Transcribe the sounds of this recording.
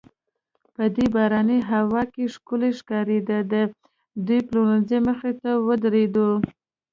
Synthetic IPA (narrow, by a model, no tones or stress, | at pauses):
pəd̪ebɑɾaniɦawɑkeʂkuleʃkɑɾed̪ad̪ə | d̪ujplonezeməxet̪awəd̪ɾed̪o